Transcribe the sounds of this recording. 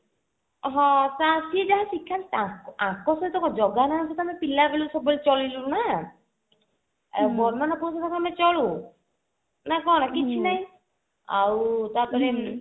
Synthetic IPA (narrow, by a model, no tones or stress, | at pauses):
ɦɔ̃sasied͡ʒaɦasikʰːant̪ãkãkɔsɔt̪ɔkɔd͡ʒɔɡanaasɔt̪amɛpilabelusɔbɔlt͡ʃɔlilũna | bɔɾmanapɔsɔt̪akʰamɛt͡ʃɔɭu | nakɔnakit͡ʃʰinaj̃ | a̰wt̪apɔɾi